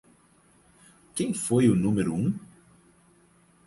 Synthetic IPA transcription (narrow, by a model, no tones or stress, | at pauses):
kẽj̃fojʊnũmeɾʊũ